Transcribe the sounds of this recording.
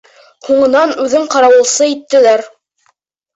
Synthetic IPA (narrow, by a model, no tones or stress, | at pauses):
huɴɤ̆nɑnʉðɘɴqɑɾɑwɤ̆lˠsɤit̪ːɘ̆læɾ